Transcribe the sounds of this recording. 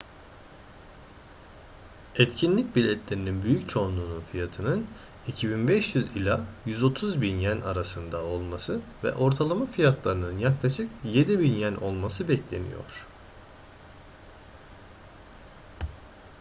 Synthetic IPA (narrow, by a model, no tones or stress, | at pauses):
ɛt̪cʰinlʲic̚bilʲɛt̪ʰlʲe̞ɾininbyjyc̚t͡ʃʰo̞nlˠuːnunfijat̪ʰɯnɯn | icʰibinbɛʃjyzilʲajyzo̞t̪ʰuzbinjænaɾasɯnd̪ao̞lˠmasɯvɛ̰ʔo̞ɾt̪ʰalˠamafijat̪ʰlˠaɾɯnɯnjaklˠaʃɯkje̞d̪ibinjænʔo̞lˠmasɯbɛclʲe̞nḭjo̞̰ɾ̥